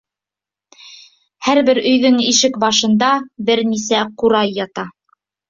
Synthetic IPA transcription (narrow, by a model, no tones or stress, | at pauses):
hæɾbɘɾɵ̆jðɵŋiʃɘkbɑʃɤ̆nd̪ɑbɘɾnisæquɾɑjːɑt̪ɑ